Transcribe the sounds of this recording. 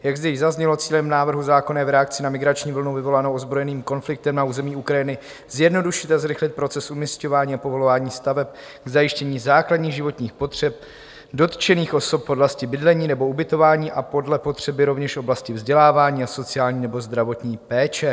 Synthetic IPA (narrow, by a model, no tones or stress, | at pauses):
jaɡzd̪ɛjɪzazɲɛlo̞t͡siːlɛmnaːvr̩ɦuzaːko̞nɛːvɾɛak̚t͡sɪnamɪɡɾat͡ʃɲiːvl̩nowvɪvo̞lanowozbɾo̞jɛniːmko̞nflɪk̚t̪ɛmnauːzɛmiːukɾajɪnɪ | z̥jɛdno̞duʃɪt̪azɾɪxlɪt̪̚pɾo̞t͡sɛsʔumisco̞vaːɲiːapo̞vo̞lovaːɲiːst̪avɛp̚ | ɡzajɪʃcɛɲiːzaːkladɲiːɣʒɪvo̞t̪ɲiːxpo̞t̪r̝̥ɛp̚ | do̞t̪t͡ʃɛniːxʔo̞so̞p̚po̞dlascɪbɪdlɛɲiːnɛbo̞ubɪt̪o̞vaːɲiːʔapo̞dlɛpo̞t̪r̝̥ɛbɪɾo̞vɲɛʃo̞blascɪvzɟɛlaːvaːɲiːaso̞t͡sɪaːlɲiːnɛbo̞zd̪ɾavo̞t̪ɲiːpɛːt͡ʃɛ